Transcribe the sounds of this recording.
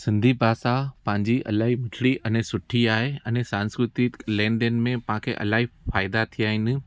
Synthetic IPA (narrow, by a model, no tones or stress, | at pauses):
sɪ̃nd̪ʱibaːsapɐ̃ɦɪ̃ɲd͡ʑiʔɐ̰laːɦimɪʈʰɽiʔɛnẽsʊʈʰiaːɦeɐ̃nẽsãːnskɾɪt̪ilɛ̃ːɳɖənɪ̆mẽpɐɦãkʰeʔɐ̰laːɦifaːɪd̪at̪ʰijaːɦɪnɪ̆